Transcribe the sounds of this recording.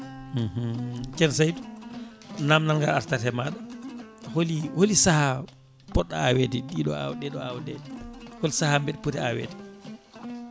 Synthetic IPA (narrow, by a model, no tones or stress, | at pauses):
ht͡ʃɛnsajdu | namnalŋɡaɾaɾtaɾhɛmaɗaholiwolisaha | pɔɗːaawediɗiɗɔ̰a̰wɗɛɗɔawdɛdɛwolisahambɛɗɛputiawḛːdi̥